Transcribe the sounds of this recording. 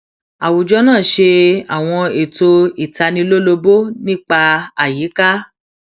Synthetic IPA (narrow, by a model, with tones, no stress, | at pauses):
a˨wu˨d͡ʒɔ˧˦nãː˦˨ʃe˧a˨w̃ɔ̃˧e˨to˧i˨ta˧nĩ˧lo˦lo˧bo˦nĩ˦k͡pa˧a˨ji˨˦ka˦